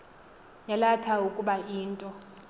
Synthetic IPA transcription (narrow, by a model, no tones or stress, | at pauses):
jalatʰaukʼuɓaʔiːntʼɔ